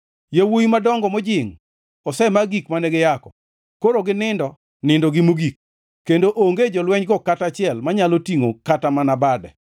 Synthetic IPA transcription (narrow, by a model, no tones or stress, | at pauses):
jewuimadɔŋɡɔmɔd͡ʒɪŋ | ɔsɛmaɡikmanɛɡɪjakɔ | koɾoɡɪnɪndɔ | nɪndɔɡɪmuɡik̚ː | endoʔoŋɡed͡ʒɔlwɛɲɡɔkatat͡ʃɪɛlmaɲalotiŋokatamanabadɛ̰